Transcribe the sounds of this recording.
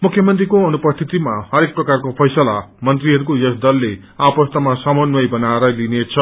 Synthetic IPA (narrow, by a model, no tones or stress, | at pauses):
mukʰːjʌmʌnt̪rikoʌnupʌst̪ʰit̪imahʌɾek̚prʌkarkopʰʌjsʌlamʌnt̪riɦʌɾukojʌsd̪ʌlːe | apʌst̪amasʌmʌnwʌjbʌnaeɾʌlinet͡sʰʌ